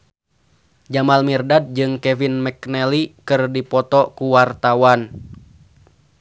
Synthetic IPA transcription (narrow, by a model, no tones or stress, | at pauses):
d͡ʒamalmirdad̚d͡ʒɨŋkɛvinmɛknɛlikɨrdipɔt̪ɔkuwart̪awan